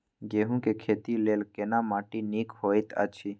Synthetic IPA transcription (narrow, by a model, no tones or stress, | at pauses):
ɡeːɦũkekʰeːt̪ileːlkenamãːʈiniːkhoːit̪a̰t͡ʃʰi